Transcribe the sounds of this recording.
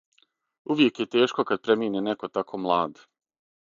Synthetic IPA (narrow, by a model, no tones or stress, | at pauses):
uʋje̞kjet̪eːʃko̞kad̪̚pɾemiːneneko̞t̪akʰo̞ːmlˠaːd̪